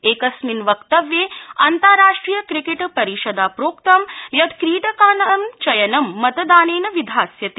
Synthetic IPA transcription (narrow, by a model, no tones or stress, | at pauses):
eːkɐsminʋɐkt̪ɐʋjeːɐnt̪ɐɾɾaːʂʈɾiːjɐkɾikeʈpɐɾiʃɐd̪aːpɾoːkt̪ɐmjɐd̪kɾiːʈɐkaːnɐɐmt͡ʃɐjɐnɐmːɐt̪ɐd̪aːneːnɐʋid̪ʱaːsjɐt̪i